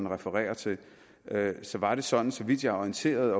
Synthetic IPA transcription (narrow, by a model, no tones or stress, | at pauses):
n̩ʁɛfəʁɛ̰ːɐt͡sʰe̝ | øsɒ̽ʋɑ̈ɾ̥e̝sɒ̽d̥n̩sɒ̽ʋid̥jɑ̈ɒint͡sʰe̝̰ːɐð̩ˠɒ̽